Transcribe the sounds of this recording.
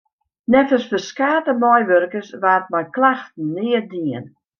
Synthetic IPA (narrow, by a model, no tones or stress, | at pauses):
nɛtəsfəskaːtəmɔjʋørkəsʋaːt̚mɛjklaxtn̩ːɪərdiən